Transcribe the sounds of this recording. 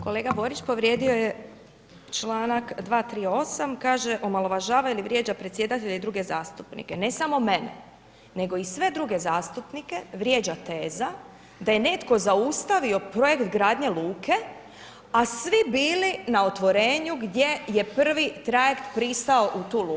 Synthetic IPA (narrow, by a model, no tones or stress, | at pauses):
ko̞le̞ːɡabo̞ːɾit͡ʃpo̞ʋɾjed̪io̞je | t͡ʃlˠaːnakd̪ʋaːt̪ɾiːo̞samkaːʒeʔo̞malˠo̞ʋaʒaːʋailiʋɾje̞ːd͡ʑapɾe̞t̪sje̞d̪at̪eʎeid̪ɾuɡe̞zaːst̪upnḭkenesamo̞me̞nḛ | ne̞ɡo̞isʋe̞d̪ɾuɡe̞zaːst̪upnike̞ʋɾjeːd͡ʑat̪eːza | d̪aje̞ne̞t̪ko̞zaust̪aʋio̞pɾo̞je̞kt̪ɡɾaːd̪ɲe̞luːkʰe̞ | asʋibiːlinao̞t̪ʋo̞ɾe̞ːɲuɡd̪je̞je̞pr̩ʋit̪ɾaje̞kt̪pɾist̪ao̞ʔut̪uːluː